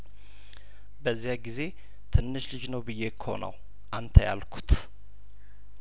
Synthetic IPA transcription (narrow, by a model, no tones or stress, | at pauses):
bəzːijaɡize̞ | t̪ʰɨnːɨʃlɨd͡ʒnəwbɨjːekʰːəho̞̰nə̰w | ʔant̪ʰəja̰lkʰu̥t̪